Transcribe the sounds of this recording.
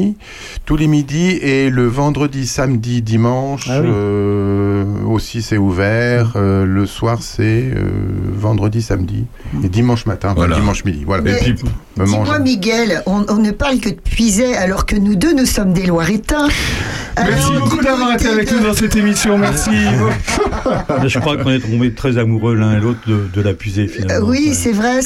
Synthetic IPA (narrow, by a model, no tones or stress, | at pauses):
t̪ulemid̪ieləvɑ̃d̪ʁəd̪isamd̪id̪imɑ̃ʃø | osisɛuvɛʁøləswaʁsɛø̰vɑ̃d̪ʁəd̪isamd̪ḭ | ed̪imɑ̃ʃmat̪ɛ̃ɑ̃ɛ̃d̪imɑ̃ʃmid̪ḭvwalapimɑ̃mwamiɡʲɛlɔ̃ɔ̃nəpaʁlkəd̪əpɥizɛalɔʁkənud̪ønusɔmd̪elwaʁet̪ɛ̃ | mɛsibokud̪avwaʁet̪eavɛknud̪ɑ̃sɛt̪emisjɔ̃mɛʁsi | baʒəkχwakɔ̃nɛt̪χɔ̃bet̪χɛzamuʁølɛ̃elot̪χd̪əd̪əlapɥizefinalwisɛvʁɛ